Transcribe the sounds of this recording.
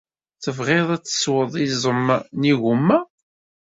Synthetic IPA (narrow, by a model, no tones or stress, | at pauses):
θəvʁeðˤæt͡sːə̥swəðˤizˤəmːniɣumːæ